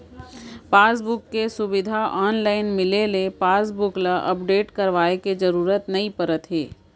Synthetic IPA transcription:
paːsbʊkːesʊbɪd̪ʱaʔɔːnlaːɪnmɪlelepaːsbʊklaʔɐpɖeːʈkɐɾʋaːeked͡ʒɐɾuːɾət̪nɐipəɾət̪ɦḛː

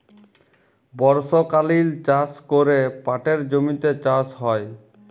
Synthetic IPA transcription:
bɔɾʃokalilt͡ɕaskoɾepaʈeɾd͡ʑomit̪et͡ɕasɦɔe

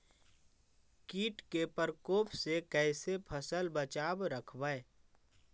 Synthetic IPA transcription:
kiːʈkepəɾkoːpʰsekɛːsepʰəsəlbət͡ʃaːbɾəkʰbae

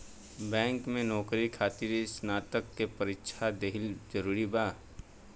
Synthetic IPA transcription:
bɛ̃ːŋkmẽnɔːkɾikʰaːt̪iɾsnaːt̪əkːepɐɾɪkʃʰad̪eɦɪld͡ʒəɾuːɾibaː

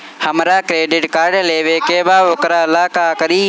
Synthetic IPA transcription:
həmɾaːkɾeːɖɪʈkaːɾɖleːʋeːkeːʋaːʋokɾaːɪlaːkaːkəɾiː

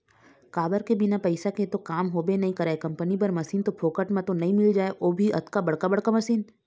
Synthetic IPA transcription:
kaːbəɾkebɪnapɐɪsaket̪okaːmɦoːbenɐɦĩkɐɾaːekɐ̃mpənip̬ɐɾmɐsiːnt̪opʰoːkəʈmẽt̪onɐɦĩmɪld͡ʒaːeʔoːbʱiɐt̪kabɐɽkabɐɽ̤kamɐsiːn

